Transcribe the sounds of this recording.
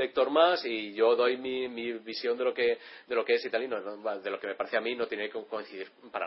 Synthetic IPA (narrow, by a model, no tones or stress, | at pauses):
ek̚t̪o̞ɾmasiʝo̞ðo̞jmimiβisjo̞nd̪e̞lo̞ke̞d̪e̞lo̞kee̞sit̪alinonoaðe̞lo̞ke̞me̞paɾeθeamĩno̞t̪jenekkoin̟θiðiɾpaɾa̰